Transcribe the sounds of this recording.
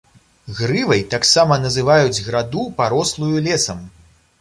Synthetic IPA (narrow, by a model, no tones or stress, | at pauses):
ɣɾɨvɐjt̪aksamɐnɐzɨvajud͡zʲɣɾad̪upaɾɔslˠujulʲɛsɐm